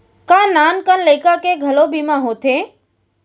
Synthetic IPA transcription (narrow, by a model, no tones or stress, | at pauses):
kãnaːnkənləɪkakeɡʱɐlobimãɦoːt̪ʰe